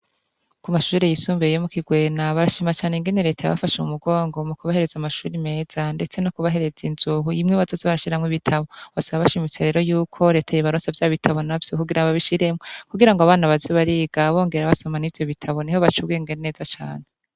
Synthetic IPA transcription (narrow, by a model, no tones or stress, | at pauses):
kumaʃuːɾejisuːmbejomukiɡwe̞ːnaβaɾaʃiːmat͡ʃaːne̞ŋɡe̞ne̞ɾe̞ːtʰaja̰βa̰faʃeumuɡo̞ːŋɡo̞mukuβahe̞ɾe̞zamaʃuːɾime̞ːz̥ande̞t͡se̞nokuβaɦe̞ɾe̞zinzuɦujimŋiːβazozaβaɾaʃiɾamŋiβitʰaβoβasaβaβaʃimit͡seɾe̞ːɾo̞juːkʰo̞ɾe̞ːtʰajiβaɾoːsavjaːβitʰaβo̞navjo̞kuɡiɾaaβiʃiɾe̞mokuɡiɾaŋɡoaβaːnaβaziβaɾiɡ̥aβo̞ːŋɡeɾaβasamanivjo̞βitʰaβo̞nihoβat͡ʃuwieŋɡene̞ːzat͡ʃa̰ːne